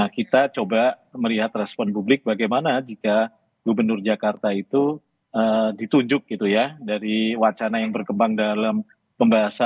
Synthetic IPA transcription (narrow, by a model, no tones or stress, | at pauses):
akit̪at͡ʃoba | məliɦat̪rɛspɔnpublɪk̚baɡajmanad͡ʒika | ɡ̥ubərnʊrd͡ʒakart̪ait̪u | ədit̪uɲd͡ʒʊk̚ɡit̪ujadaɾiwat͡ʃanajaŋbərkəmbaŋdalam | pəmbaɦasa